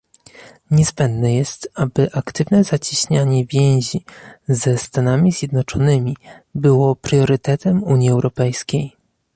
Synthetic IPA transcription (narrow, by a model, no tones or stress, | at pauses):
ɲɛzbɛnd̪nɛjɛst̪abɘʔakt̪ɘvnɛzat͡ɕiɕɲaɲɛvʲjɛ̃w̃ʑizɛst̪anamʲizʲjɛd̪nɔt͡ʂɔnɘmʲibɘwɔpɾjɔɾɘt̪ɛt̪ɛmuɲiɛwɾɔpɛjskʲej